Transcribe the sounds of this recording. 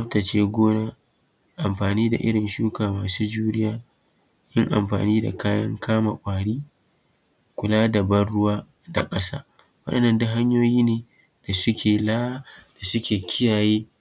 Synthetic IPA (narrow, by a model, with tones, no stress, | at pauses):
ɐ˦tɐ˨t͡ʃeː˦ɡʷoː˦naː˦ | ʔa˨mɸaː˨niː˦da̰˨ʔɪ̰˦ɽɪ˨nʃuː˦kaː˨maː˨suː˦d͡ʒuː˦ɾɪ˦jaː˦ | ʔɪ˦ŋʔa̰˨mɸa̰ː˨niː˦da̰˨kaː˦jɐ̰˦ŋkʰaː˦ma̰˨kʷʼaː˨ɽiː˦ | kʷʊ˨laː˦dɐ˨bɐ˦nɽʊ˦waː˦ | da̰˨kʼɐ˦sa̰ː˦ | wɐ˦ɗɐ˨nːɐ˦˨ndʊ˦ɦa˦ɲjoː˦jiː˦neː˨ | d̥a˨sʊ˦kʲeː˨laː˦d̥a˨sʊ˦kʲeː˨kʲɪ˦jaː˨jeː˦